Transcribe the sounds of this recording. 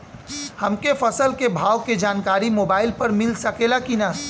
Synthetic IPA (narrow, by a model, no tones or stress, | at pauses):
hɐmkefɐsəlkebʱaːwked͡ʒaːnkaːɾimoːbaːɪlpɐɾmɪlsɐkelakina